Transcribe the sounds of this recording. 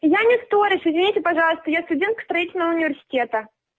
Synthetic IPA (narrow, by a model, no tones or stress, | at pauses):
janʲɪst̪oɾʲɪʃɪzvʲɪnʲitʲɪpɐʐɑlˠəst̪əjast̪ʊdʲent̪kst̪ɾɐitʲɪlʲnəvəʊnʲɪvʲɪrsʲɪ̥tʲet̪ə